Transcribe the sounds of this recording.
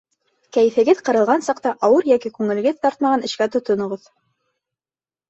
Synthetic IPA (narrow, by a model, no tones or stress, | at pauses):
kæj̆fɘ̆ɡɘðqɤ̆ɾɤ̆lˠʁɑnsɑqt̪ɑʔɑwɤɾjækikʉŋɘ̆lɘ̆ɡɘðt̪ɑɾt̪̚mɑʁɑnɘ̆ʃkæt̪ŏt̪ŏnŏʁoð